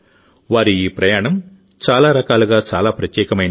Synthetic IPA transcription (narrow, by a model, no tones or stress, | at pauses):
ʋaːɾuiːpɾɐjaːɳɐm | t͡ʃaːlaːɾɐkaːluɡaːt͡ʃaːlaːpɾɐt̪jɛːkɐmɐjn